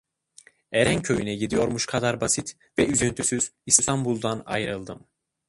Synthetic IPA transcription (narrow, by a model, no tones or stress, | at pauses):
eɾæncʰøjynɛɟid̪ijo̞ɾmuʃkʰad̪aɾbasit̪ | vɛyzynt̪ʰysyz̥ist̪ʰambulˠd̪ana̰jɾɯlˠd̪ɯm